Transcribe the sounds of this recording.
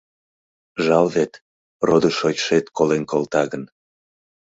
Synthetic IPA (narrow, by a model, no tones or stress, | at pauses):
ʒɑlβet̪ | rod̪əʃojʲʃet̪kolenkolt̪ɑɣən